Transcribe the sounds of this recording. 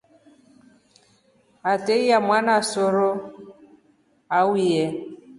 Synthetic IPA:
ateiamwanasoɾo | awiɛ

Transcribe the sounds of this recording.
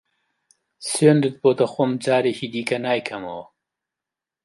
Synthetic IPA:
sweːnd̪ɨt̪̚boːt̪ɐxomd͡ʒaːɾeːciːd̪iːkɐnaːjkʰɐmɐ̰wɐ

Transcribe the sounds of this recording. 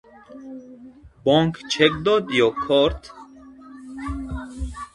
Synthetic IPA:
bɔŋkʰt͡ʃʰekd̪ɔd̪jɔkʰɔɾt̪ʰ

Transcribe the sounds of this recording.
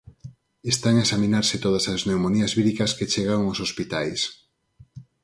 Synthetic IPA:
est̪aŋaesaminaɾsɪt̪oð̞ɐsɐznewmoniɐzβiɾikɐsket͡ʃeɣaoŋosospit̪ajs

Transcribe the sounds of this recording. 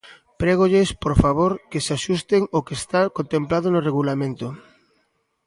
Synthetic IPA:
pɾɛɣ̞oʎespoɾfaβ̞oɾkesaʃust̪eŋokest̪akont̪ẽmplaðonoreɣulamẽnt̪o

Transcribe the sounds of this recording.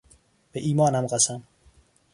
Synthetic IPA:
b̥eʔiːmɒːnæmɢæsæm

